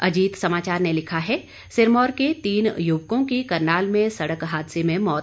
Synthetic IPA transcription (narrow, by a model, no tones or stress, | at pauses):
ɐ̰d͡ʒiːt̪sɐmaːt͡ʃaːɾnelɪkʰaɦɛ | sɪɾmɔːɾket̪iːnjʊːʋkõkikɐɾnaːlmẽsɐɽəkɦaːd̪semẽmɔːt̪